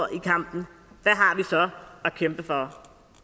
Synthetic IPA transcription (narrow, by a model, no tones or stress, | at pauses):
ʔikʰäm̰b̥n̩ | ʋæɦɑ̈ʋisɒ̽ɒkʰemb̥əfɒ